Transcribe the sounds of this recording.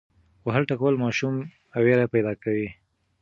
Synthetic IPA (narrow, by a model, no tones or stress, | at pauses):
waɦalʈakwəlmɑʃum | aweɾapajd̪ɑkawi